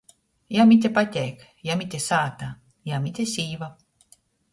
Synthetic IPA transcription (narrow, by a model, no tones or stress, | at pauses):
jamit̪̬ʲepat̪ʲek | jamit̪ʲesaːt̪a | jamit̪ʲesʲiːʋa